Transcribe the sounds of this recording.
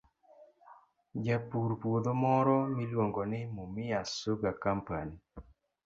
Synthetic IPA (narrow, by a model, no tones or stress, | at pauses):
d͡ʒapuɾpwod̪omɔɾɔmilwoŋɡɔnɪmomɪasoɡakampani